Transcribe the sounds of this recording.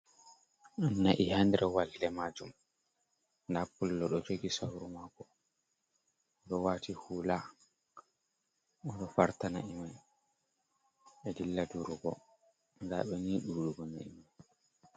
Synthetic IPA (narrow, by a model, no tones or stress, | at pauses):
ʔanːaʔihandɛɾʔɛwalːɛmad͡ʒum | ndapulːɔɗɔd͡ʒoɡisawɾumaɡɔ | ɗɔwatihuːla | ɔɗɔfaɾtanaimaj | ɛdilːaduɾuɡɔ | nda̰ɓɛniːɗuːɗuɡɔna̰imaj